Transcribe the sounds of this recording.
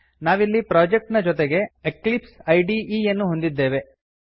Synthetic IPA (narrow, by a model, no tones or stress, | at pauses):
naːʋilːipɾaːd͡ʒek̚ʈnɐd͡ʒɔt̪̬eɡe̞eklipsɐjɖiiːjɐnːuɦo̞nd̪id̪ːe̞ːʋe̞